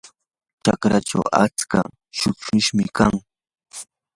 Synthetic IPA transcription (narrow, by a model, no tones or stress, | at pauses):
ʈ͡ʂakɾaʈ͡ʂa̰wa̰t͡ska̰ | ʃʊʃʊʃmɪkaŋ